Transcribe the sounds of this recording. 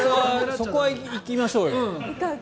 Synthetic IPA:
koβasoko̞βaiikʲimaɕoːjo

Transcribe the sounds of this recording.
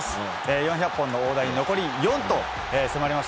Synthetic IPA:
sɨ̥ | eːjõɰ̃çʲapːõ̞nːo̞oːd̪aɲ̟ino̞ko̞ɾʲijõ̞nt̪o̞ | eːsemaɾʲimaɕ

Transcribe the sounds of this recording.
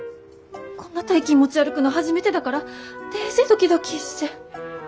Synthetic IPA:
kõ̞nːat̪ejkʲimːo̞t͡ɕiaɾɯ̟kɯ̟noɦaʑime̞t̪e̞d̪akaɾat̪eːsed̪o̞kʲid̪o̞kʲiɕi̥t̪e

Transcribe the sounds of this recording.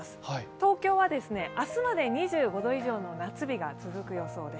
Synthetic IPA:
sɨ̥t̪o̞ːkʲo̞ːβad̪e̞sɨne̞ʔasɨmad̪e̞ɲ̟iʑɨːɡo̞d̪o̞iʑo̞ːno̞nat͡sɨbʲiɡat͡sɨzɨkɯ̟jo̞so̞ːd̪e

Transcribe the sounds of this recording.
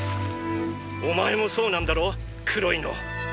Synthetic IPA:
omae̞moso̞ːnãnd̪aɾoː | kʰɯɾo̞ino̰

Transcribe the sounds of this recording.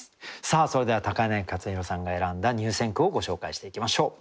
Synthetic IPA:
saːso̞ɾe̞d̪e̞βat̪akane̞ŋkat͡sɨçiɾo̞sãŋɡae̞ɾãnd̪aɲ̟ɨːsẽ̞ŋkɯ̟o̞ɡo̞ɕo̞ːkaiɕi̥t̪e̞ikʲimaɕo̞ː

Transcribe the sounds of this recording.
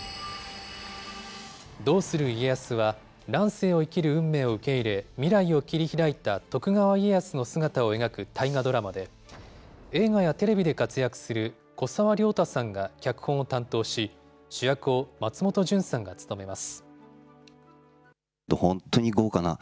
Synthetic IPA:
d̪o̞ːsɨɾɯ̟iejasɨβa | ɾãɰ̃se̞ːo̞ikʲiɾɯ̟ɯ̟̃mːe̞ːo̞ɯ̟ke̞iɾe̞mʲiɾaio̞kʲiɾʲiçiɾait̪at̪o̞kɯ̟ɡaβaiejasɨno̞sɨɡat̪ao̞e̞ɡakɯ̟t̪ʰaiŋad̪o̞ɾamad̪e̞ | e̞ːɡajat̪e̞ɾe̞bʲid̪e̞kat͡sɨjakɯ̟̥sɨɾɯ̟ | ko̞saβaɾʲo̞ːt̪asãŋɡakʲakɯ̟̥hõ̞ɰ̃ot̪ãnt̪o̞ːɕi | ɕɨjakɯ̟o̞mat͡sɨmo̞t̪o̞ʑɨ̃ɰ̃sãŋɡat͡sɨ̥t̪o̞me̞masɨ̥ | d̪ohõnt̪ːoɲ̟iɡoːkana̰

